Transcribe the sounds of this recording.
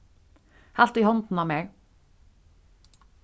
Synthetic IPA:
hɑlt̪iːhɔnd̪n̩ɑːmeːɡ

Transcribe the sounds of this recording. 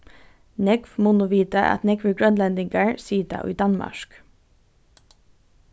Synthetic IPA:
nɛɡfmʊnʊʋiːt̪əʔɑ̰t̪nɛɡʋəɡɹœnlɛnd̪ɪŋɡæɹsiːt̪ɑ̰ʔo̰iːd̪ɑnmɑ̰ʃk

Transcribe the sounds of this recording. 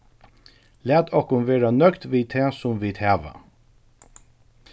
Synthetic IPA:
læːt̪ʰɔhkʊnʋeːɹanœkt̪ʋiːt̪ʰɛːsʊmʋɪːt̪hæːʋa̰

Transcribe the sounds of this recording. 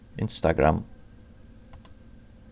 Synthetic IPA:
ɪ̰̃nst̪aɡɹa̰m

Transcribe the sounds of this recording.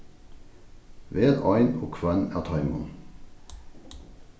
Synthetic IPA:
ʋeːʁɑɪnoːkʰʋænæːt̪ʰɑɪmʊn

